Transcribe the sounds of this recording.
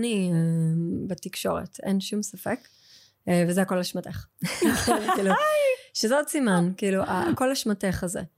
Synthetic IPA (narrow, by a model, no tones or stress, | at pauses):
niebetikʃo̞̰ʁḛtenʃumsafek | vezeako̞laʃmateχχonkiːluʃezeotsimankiiluʔa̰ko̞laʃmateχazḛ